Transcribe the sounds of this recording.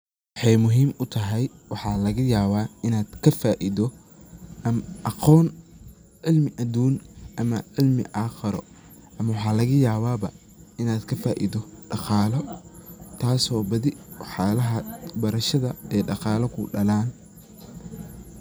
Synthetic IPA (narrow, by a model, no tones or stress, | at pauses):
wɑħɑjmʊɦiːmʊt̪ʰɐɦɛjwɑħɑːlɐɣɐjaːβaːɪnaːd̪̥kʰɐfaːʔiðɔ | ɐmʔɑqɔːn | ʕɪlmɪʔɐd̪uːnʔɐmɐʕɪlmɪ̰ʔɑːxɐɾɔ̰ | ʔɐmɐwɑħɑːlɐɣɐjaːβaːbɐ | ɪnaːd̪kʰɐfaːʔḭðɔɖɑqɑːlɔ | t̪ʰaːsɔːbɐðɪwħaːlɐɦɐbɐɾɐʃɐðɐɛːɖɑqɑːlɔkʰʊɖɐlaːn